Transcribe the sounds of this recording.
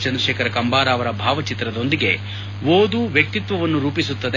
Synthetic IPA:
t͡ʃɐnd̪ɾɐʃeːkʰɐɾɐkɐmbaːɾaːʋɐɾɐbʱaːʋɐt͡ʃit̪ɾɐd̪o̞nd̪iɡe̞ | ʋoːd̪uʋjɐk̚t̪it̪ʋɐʋɐnːuɾuːpisut̪ːɐd̪

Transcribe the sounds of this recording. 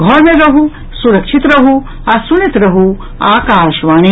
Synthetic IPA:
ɡʱɔɾmẽɾɐɦu | suɾɐkʃʰit̪ɾɐɦu | asunit̪ɾɐɦu | aːkaːʃʋaːni

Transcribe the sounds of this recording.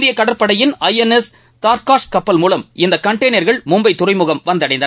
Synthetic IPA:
ðɪjɐkɐɽɐɾpːɐɽɐjɪnɐjɛnɛs | t̪aːɾkaːʂkɐpːɐlmuːlɐmɪnd̪ɐkɐɳʈɐɪnɐɾɣɐɭmʊmbɐɪt̪ːʊrɐɪmʊɣɐmʋɐnd̪ɐɽɐɪnd̪ɐ

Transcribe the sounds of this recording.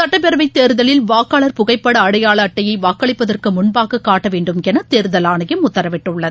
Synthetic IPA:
sɐʈːɐpɛɾɐʋɐɪt̪ːeːɾɯðɐɭɪlʋaːkːaːɭɐɾpʊɣɐɪpːɐɽɐːɽɐjaːɭɐːʈːɐjɐɪʋaːkːɐɭɪpːɐðɐrkɯmʊnbaːɣɯkːaːʈːɐʋeːɳɖɯmkɛnɐt̪ːeːɾɯðɐlaːɳɐjɐmʊt̪ːɐɾɐʋɪʈːɯɭːɐðɯ

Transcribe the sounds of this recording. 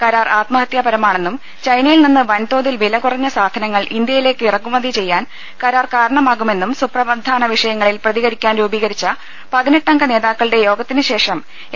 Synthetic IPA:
kɐɾaːrʔaːt̪mɐɦɐt̪jaːbɐɾɐmaːɳe̞nːum | t͡ɕɐjnɐjilninːɨʋɐnt̪o̞ːðilʋilɐkurɐɲːɐsaːd̪ʱɐnɐŋːɐɭind̪jɐjile̞ːkːɨirɐkːumɐðit͡ɕe̞jːaːn | kɐɾaːrkaːɾɐɳɐmaːɣume̞nːumsuprɐʋɐd̪ʱaːnɐʋiʂɐjɐŋːɐɭilprɐðiɣɐɾikʲːaːnɾuːbiːɣɐɾit͡ɕːɐ | pɐðineʈːɐŋɡɐne̞ːðaːkːɐɭiɽe̞jo̞ːɡɐt̪ːinɨɕe̞ːʂɐm

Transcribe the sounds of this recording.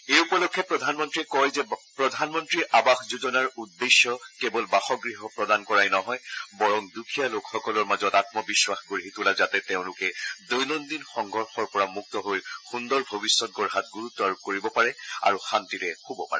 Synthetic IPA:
eupɔlokʰːɛpɹɔdʱanmɔntɹiɛkɔjzɛpɹɔdʱanmɔntɹiʔabaxzud͡ʒɔnaɹudːesjɔkɛbɔlbaxɔɡɹiɦɔpɹɔdankɔɹajnɔɦɔjbɔɹɔŋdukʰijalokxɔkɔlɔɹmazɔtatmɔbiswaxɡoɹɦitulazatɛteʊ̃lʊkɛdojnɔndinxɔŋɡʱɔɹxɔɹpɔɹamuk̚tɔɦojxundɔɹbʱobisːɔt̚ɡɔɹɦat̚ɡuɹutːɔaɹukoɹibɔpaɹɛa̰ɹuxantiɹɛxobɔpa̰ɹɛ

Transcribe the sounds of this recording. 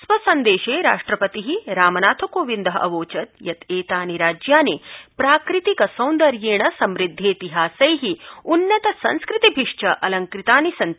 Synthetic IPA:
sʋɐsɐnd̪eːʃeːɾa̰ːʂʈɾɐpɐt̪iɦiɾaːmɐnaːt̪ʰɐkoːʋind̪ɐɦɐ̰ʔɐ̰ʋoːt͡ʃɐt̪jɐt̪eːt̪aːniɾaːd͡ʒjaːneːpɾaːkɾit̪ikɐsɐ̃w̃nd̪ɐɾjeːɳɐsɐmɾid̪ʱːeːt̪iɦaːsɐjɦiunːɐt̪ɐsɐ̰̃nskɾɪt̪ibʱiʂt͡ʃʰɐʔɐlɐŋkɾit̪aːnisɐn

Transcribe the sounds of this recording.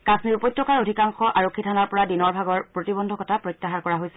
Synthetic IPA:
kasniɹupɔjtːɹɔkaɹodʱikaŋxɔʔaɹokʰːitʰanaɹpɔɹadinɔɹbʱaɡɔɹppɹotibɔndʱɔkɔtʰapɹɔjtːaɦaɹkɔɹaɦojsɛ̥

